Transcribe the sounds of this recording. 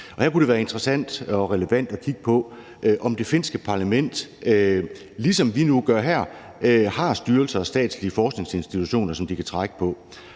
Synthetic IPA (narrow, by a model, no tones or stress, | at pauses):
ʔɒ̽hæɐkuɾeʋæːɐe̝nd̥ʁəsæn̰d̥ɒ̽ʁɛləʋæn̰d̥ɒ̽kʰiɡ̥ə̥pʰɒ̽ | ʔʔɒ̽md̥e̝fe̝n̰sɡ̥əpʰɑ̈læmen̰d̥ | lisɒ̽mʋinuɡ̥ɶɐ̰ɦæɐ̰ | hɑ̈sd̥yːɐlsɐːsd̥ɛ̰ːd̥sliəfɒːsɡ̥ne̝ŋse̝nsd̥it͡sʰuɕo̝̰ːnɐsɒ̽md̥ikʰæt͡sʰʁɑɡ̥ə̥pʰɒ̽